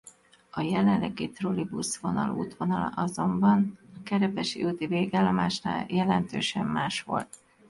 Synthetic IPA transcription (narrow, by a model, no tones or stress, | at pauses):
ɒjɛlɛnlːɛɡit̪rolibusʋo̞nɒlṵːt̪ʋo̞nɒlɒ̰ʔɒzo̞mbɒnɒkɛɾɛpɛʃiut̪iveːɡaːlːɒmaːʃna̰ːjɛlɛnt̪øːʃɛmːaːʃʋo̞̰lt̪